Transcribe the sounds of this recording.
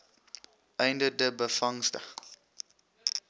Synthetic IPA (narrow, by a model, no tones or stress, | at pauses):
ʔɛjndədəbəfɐŋstə̰